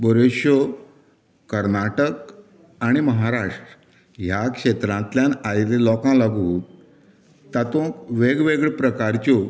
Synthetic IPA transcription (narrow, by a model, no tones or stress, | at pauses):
bəɾeɕjo | kəɾnaʈək | aɽ̃iməɦaɾaʂʈɾ | ɦjakʂet̪ɾãnt̪ljanajlelɔkãlaɡũː | t̪ːat̪õkʋeɡʋeɡɭpɾəkaɾt͡ɕo